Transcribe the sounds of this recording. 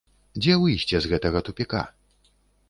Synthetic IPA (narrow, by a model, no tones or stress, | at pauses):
d͡zʲɛvɨjsʲt͡sʲɛzɣɛt̪ɐɣɐt̪upʲika̰